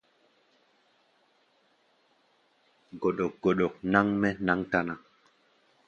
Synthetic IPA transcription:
ɡo˨ɗo˨k̚ɡo˨ɗo˨k̚na˦ŋmɛ˦na˦ŋta˦na˨

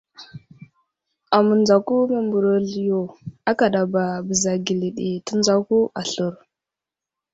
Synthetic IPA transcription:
a˨mu˨nd͡za˨ku˦me˨mbu˨ɾo˨ɮjo˨a˦ka˨ɗa˨ba˨bə˨za˨ɡi˨li˨ɗi˨tə˦nd͡za˦ku˦ʔa˨ɬu˦˨ɾ

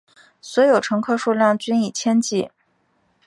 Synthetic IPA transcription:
swɔ˧˥jo˨˩ʊʈ͡ʂʰɤ˧˥ŋkʰɤ˥˧ʂu˥˧ljɑ˥˩ŋt͡ɕy˥ni˨˩t͡ɕʰjɛ˥nt͡ɕi˥˩

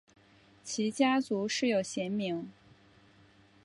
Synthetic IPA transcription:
t͡ɕʰi˧˥t͡ɕja˥t͡su˧˥ʂɻ̩˥˩jo˨˩ʊɕjɛ˧˥nmi˧˥ŋ

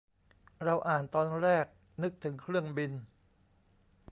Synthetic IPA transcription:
ɾa˧wʔaː˨˩nt̪ɔː˧nɾɛː˥˩k̚ | nɯ˦˥k̚t̪ʰɯ˩˦ŋkʰɾɯ˥˩əŋbi˧n

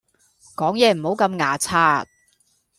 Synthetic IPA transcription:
kɔː˨˥ŋjɛː˨˧m̩˨˩ho˨˥wkɐ˧mŋaː˨˩t͡sʰaː˧t̚

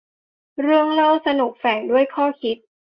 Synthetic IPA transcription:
ɾɯ˥˩əŋloː˥˩wsa˧nu˨˩k̚fɛː˨˩ŋdu˥˩əjkʰɔː˥˩kʰi˦˥t̪̚

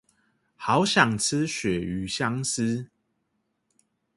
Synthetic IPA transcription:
hɑ˨˦ʊɕjɑ˨˩ŋt͡sʰɨ˦ɕɥɛ˨˩y˨˦ɕja˦ŋsɨ˦

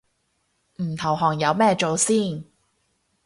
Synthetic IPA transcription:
m̩˨˩t̪ʰɐ˨˩wɦɔː˨˩ŋjɐ˨˧wmɛː˥t͡ʃo˨wsiː˥˩n

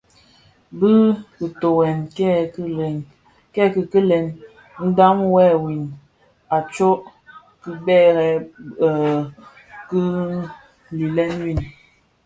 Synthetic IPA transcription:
bɨ˦ki˨to˨wɛ˨nk | kɛ˦ki˨kə˦lɛ˨n | n̩˦da˦mwɛ˦˨wi˨n | a˨t͡ʃo˦ʔ | ki˦bɛ˦˨ɾɛ˨ | kə˦ | li˨lɛ˦nwi˨n

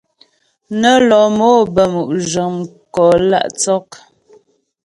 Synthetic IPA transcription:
nə˦lɔ˨mo˦bə˨mu˨ʔʒə˨ŋkɔ˨la̰˦˨ʔt͡sɔ˦k̚

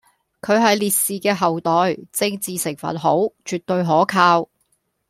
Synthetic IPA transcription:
kʰɵ˨˧ɥɦɐ˨jliː˨t̚siː˨kɛː˧ɦɐ˨wt̪ɔː˨˩jt͡sɪ˧ŋt͡siː˨sɪ˨˩ŋfɐ̰˨t̚ɦo̰˨˥wt͡ʃyː˨t̚t̪ːɵ˧ɥɦɔː˨˥kʰaː˧w

